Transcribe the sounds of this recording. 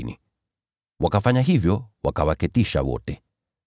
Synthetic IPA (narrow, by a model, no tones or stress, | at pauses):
nḭ | wakafaɲaɦivjɔwakawakɛtiʃa̰wɔ̰tɛ